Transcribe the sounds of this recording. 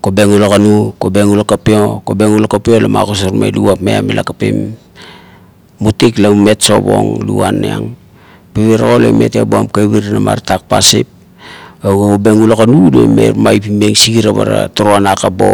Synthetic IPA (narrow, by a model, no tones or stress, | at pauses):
kobeŋulakanukobeŋulakapeokobeŋulakapiolama̰kos̬aɾma̰jluapmeamelʔakapḭm | utiklame̞tso̞bo̞̰ŋluanːeaŋ | piβiɾaɣoleme̞teboamkaβiɾnama̰ɾtak̚pasip̚ | aɡoobeŋulakanudemḛɾmajpimeŋsiɡiɾaβa̰ɾa̰toɾoanakabo̞̰